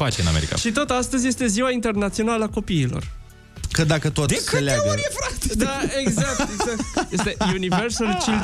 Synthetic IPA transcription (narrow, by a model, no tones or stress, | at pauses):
fat͡ʃeɨna̰meɾika̰ʃit̪o̞t̪ast̪əzje̞st̪e̞ziwaint̪e̞rnat̪sio̞naləako̞piːlo̞̰r | kəd̪akət̪ot̪ʲkəleaefɾakt̪d̪aeɡzak̚t̪eɡak̚t̪jest̪ejuniversəlt͡ʃil